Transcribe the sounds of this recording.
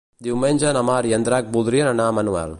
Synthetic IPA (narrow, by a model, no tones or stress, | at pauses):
d̪imenʲd͡ʒanɐmaːɾjɐnd̪ɾaːk̚bud̪ɾijɐnɐnaːmɐnuʋa̰ːl